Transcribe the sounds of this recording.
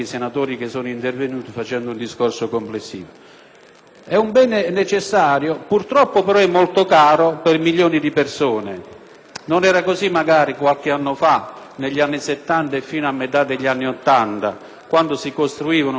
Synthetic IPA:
isenat̪oːɾik̟esːoːnoint̪ervenuːt̪ifat͡ʃɛnd̪oʊund̪iskorsokomplesːḭːvo | ɛumbɛːnenet͡ʃesːaːɾjopurt̪ɾɔpːopɛɾɔɛmːolt̪okaːɾopermiʎːoːnid̪ipersoːne | nonɛːɾakozimːaɡaːɾikwalk̟ɪanːofaneʎːianːiset̪ːant̪aefːiːnoamːet̪ad̪eʎːianːiot̪ːant̪a̰ | kwand̪osikost̪ɾuiːvanʊ

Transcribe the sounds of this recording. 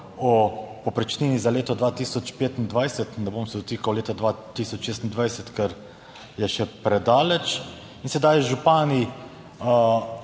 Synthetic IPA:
ɔpɔpɾɛt͡ʃniːnizaleːt̪ɔd̪ʋaːt̪iːsɔt͡ʃpeːt̪ind̪ʋajsɛt̪naboːmsɛd̪ɔt̪iːkawleːt̪ad̪ʋat̪iːsɔt͡ʃʃeːs̬t̪ind̪ʋajsɛt̪kɛɾ | jɛʃɛpɾɛd̪aːlɛt͡ʃ | insɛd̪ajʒupaːni

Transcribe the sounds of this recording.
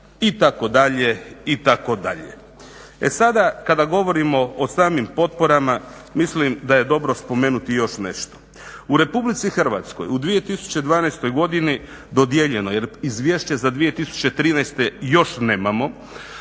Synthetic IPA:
it̪ako̞d̪aʎe̞it̪ako̞d̪a̰ʎḛ | ḛsad̪akad̪aɡo̞ʋo̞ɾimo̞osaːmimpo̞t̪̚po̞ɾama | mislimd̪aje̞d̪o̞bɾo̞spo̞meːnut̪ijo̞ʃne̞̰ʃt̪o̥ | uɾe̞publit̪sixr̩ʋa̰t̪sko̞̰jud̪ʋije̞t̪isu̥t͡ɕe̞d̪ʋaːnajst̪o̞jɡo̞d̪ini | d̪o̞d̪jeʎe̞nojeɾizʋje̞ʃt͡ɕezad̪ʋije̞t̪isu̥t͡ɕe̞t̪ɾiːnɛjst̪ejo̞ʃne̞ːmamo̞

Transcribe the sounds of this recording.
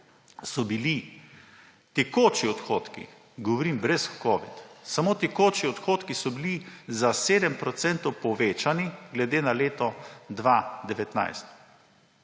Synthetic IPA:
sɔbili | t̪ɛkoːt͡ʃiɔt̪xoːt̪kḭ | ɡɔʋɔɾimbɾɛskɔːʋḭt̪samoːt̪ɛkoːt͡ʃiɔt̪xoːt̪kisɔbilizaseːd̪ɛmpɾɔt̪sɛnt̪ɔwpɔʋeːt͡ʃaniɡlɛd̪eːnaleːt̪ɔd̪ʋad̪ɛʋɛt̪na̰jst̪

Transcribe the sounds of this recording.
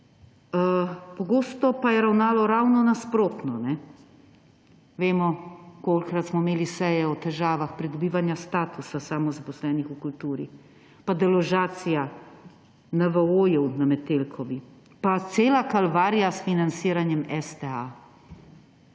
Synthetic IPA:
əpɔɡoːst̪ɔpajɛɾawnaːlɔɾawnɔnaspɾoːt̪nɔnɛ | ʋeːmɔkolkɾat̪smɔimeːlisɛjɛɔt̪ɛʒaːʋaxpɾid̪ɔbiːʋanjast̪aːt̪usasaːmɔzapɔslɛːnixukult̪uːɾi | pad̪ɛlɔʒaːt̪sija | naʋəoːjɛwnamɛt̪eːlkʰɔʋi | pat̪seːlakalʋaːɾijasfinansiːɾanjɛmɛst̪ɛa

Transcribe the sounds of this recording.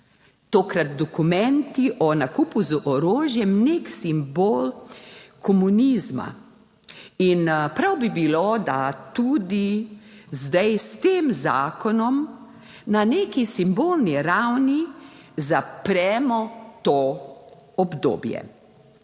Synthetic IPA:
t̪oːkɾat̪̚d̪ɔkumɛnt̪iʔɔnakuːpuzəʔɔɾoːʒjɛmneːksimboːlkʰɔmuniːzma̰ | inpɾawbibilod̪at̪uːd̪i | zd̪ajst̪eːmza̰ːkɔnɔm | nanekisimboːlniɾawnizapɾɛːmɔt̪o | ɔbd̪o̰ːbjɛ̰

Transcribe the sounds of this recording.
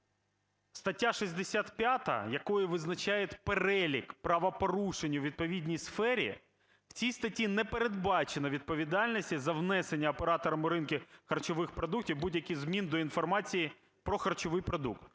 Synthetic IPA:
st̪ɐtʲːaʃizʲd̪esʲat̪pʲjat̪ɐ̰jɐkɔjʊʋɪznɐt͡ʃajetʲpeɾɛlʲikpɾɐʋɐpɔɾuʃenʲːɐwʋʲid̪̚pɔʋʲidʲnʲijsfɛɾʲḭ | w̥t͡sʲijst̪ɐtʲinɛpeɾe̞d̪̚bɑt͡ʃenɐʋʲid̪̚pɔʋʲid̪ɑlʲnʲisʲtʲizɐwnɛsenʲːɐːpeɾɑt̪ɔɾɐmʊɾɪnkʲɪxɐrt͡ʃɔʋɪxpɾɔd̪uktʲiwbudʲjɐkɪjzmʲind̪ɔinfɔrmɑt͡sʲiji | pɾɔxɐrt͡ʃɔʋɪjpɾɔd̪ukt̪

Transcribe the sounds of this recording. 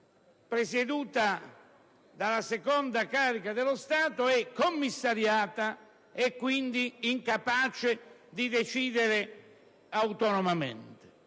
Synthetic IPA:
pɾesed̪uːt̪a | d̪alasekɔnd̪akaːɾikad̪elost̪aːt̪oɛkːomːisːaɾjaːt̪a | ɛkːwind̪iːŋkapaːt͡ʃed̪id̪et͡ʃiːd̪eɾe | awt̪ɔnɔmamḛnt̪ɪ̥

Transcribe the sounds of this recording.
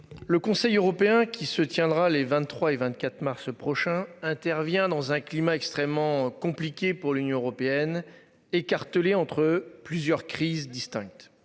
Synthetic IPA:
ləkɔ̃sɛjøʁɔpeɛ̃kʲʰisət̪jɛ̃d̪ʁalevɛ̃nːχwaevɛ̃t̪̚kʲat̪χmaʁspχɔʃɛ̃ɛ̃t̪ɛʁvjɛ̃d̪ɑ̃zɛ̃klimaɛkst̪χɛmːɑ̃kɔ̃plikʲepuʁlynjɔ̃øʁɔpeɛn | ekaʁt̪əleɑ̃t̪χəplyzjœʁkχizd̪ist̪ɛ̃k̚t̪

